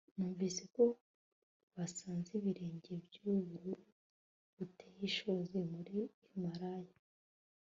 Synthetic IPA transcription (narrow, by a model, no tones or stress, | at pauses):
nuːɱvize̞ko̞ | βasaːnziβiɾe̞ːɲɟe̞bjuβuɾu | βutejiʃozimuɾi | maɾaːja